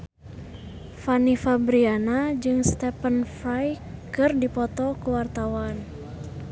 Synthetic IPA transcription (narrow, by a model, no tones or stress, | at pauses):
fanifabɾianad͡ʒɨŋst̪ɛpənfɾajkɨrdipɔt̪ɔkuwart̪awan